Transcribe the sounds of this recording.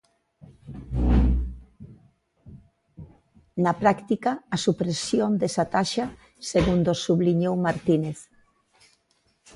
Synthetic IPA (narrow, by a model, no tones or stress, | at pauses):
napɾakt̪ikaːsupɾesjond̪esat̪aʃa | seɣund̪osuβliɲowmaɾt̪ineθ